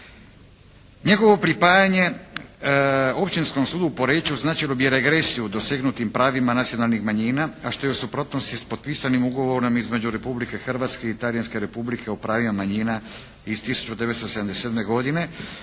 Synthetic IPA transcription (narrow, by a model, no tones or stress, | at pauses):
ɲe̞ɡo̞ʋo̞pɾipaːjaɲe̞ | o̞pt͡ʃinsko̞msuːd̪uːpo̞ɾeːt͡ʃuznaːt͡ʃajlo̞bijeɾeɡɾe̞sijud̪o̞seɡnut̪impɾaːʋimanat̪sijo̞nalnixmaɲiːnaaʃt̪o̞jeusupɾo̞t̪nost̪ispo̞t̪̚piːsanimuɡo̞ʋo̞ɾo̞mizme̞d͡ʑuɾe̞publike̞xr̩ʋat̪ske̞it̪alijanske̞ɾe̞publikʰe̞opɾaːʋimamaɲiːna | iz̥t̪isu̥t͡ʃud̪e̞ʋet̪st̪oseamd̪esed̪me̞ɡo̞d̪ine̞